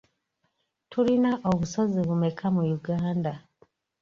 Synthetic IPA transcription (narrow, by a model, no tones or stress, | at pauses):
tuɾinaʔoβusoziβumekʰamujuɡaːnda